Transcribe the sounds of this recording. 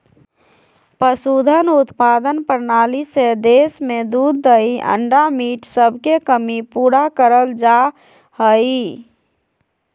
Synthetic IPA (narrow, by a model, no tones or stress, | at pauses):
pəsud̪ʱənʊt̪pad̪ənpəɾnaːlised̪esmed̪uːd̪ːəiʔə̰ɳɖamiːʈsəbʱkekəmipuːɾakəɾəld͡ʒa | həi